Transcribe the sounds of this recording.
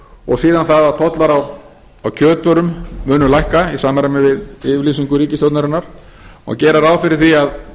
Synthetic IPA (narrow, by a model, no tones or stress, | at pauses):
ɔ̰ɣsiːðanθaðat̪ʰɔt̪laɾaw | awcʰœːt̪vœɾʏmːʏːnʏlajhkaisaːmaɾamɪvɪðɪvliːsiŋkʏɾiːcɪst̪jɔwt̪naɾɪnːaɾ̥ | ɔ̰ɣcɛːɾaɾaːwfɪɾɪɾ̥θiað